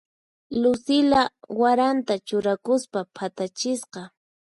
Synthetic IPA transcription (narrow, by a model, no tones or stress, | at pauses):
lʊsɪlawaɾant̪at͡ʃʊɾakʊspapʰat̪at͡ʃɪsqɑ